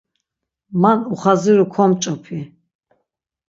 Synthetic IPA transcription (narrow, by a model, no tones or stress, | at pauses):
manuχaziɾukʰɔmt͡ʃʼɔpʰi